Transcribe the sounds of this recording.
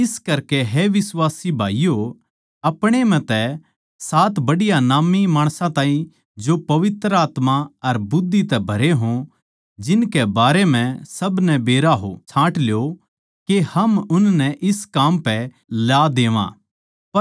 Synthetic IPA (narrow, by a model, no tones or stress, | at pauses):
ɪskɐɾkeɦɛʋɪswaːsibʱaːijo | ɐpɽ̃em̤ɛ̃t̪ɛ | saːt̪bɐɽɪjanaːmimaːɽ̃sãt̪ãːĩ | d͡ʒopɐʋɪt̪ɾəaːt̪maɐɾbʊd̪ːit̪ɛbʱɐɾeɦõ | d͡ʒɪnkebaːɾem̤ɛ̃sɐbnɛbeːɾaɦo̰t͡ʃʰãːʈljo | kehɐmʊnnɛʔɪskaːmpɛ | laːd̪eːʋã̰ː | ɐ